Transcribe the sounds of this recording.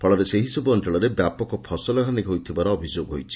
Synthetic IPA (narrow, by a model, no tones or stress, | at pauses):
pʰɔɭɔɾeseɦisɔbuɔnʈeɭɔɾebjapɔkɔpʰɔsɔlɔɡʱaniɦojt̪ʰibaɾɔːbʱid͡ʒoɡɦojt͡ʃʰi̥